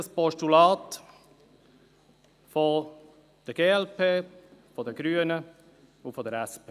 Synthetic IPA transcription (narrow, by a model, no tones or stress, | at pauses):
əspɔʃtulaːt | fɔ | d̥əɡeːɛlpʰeːfɔdəɡ̥ɾyːənə | ʊfɔdəɾɛspeː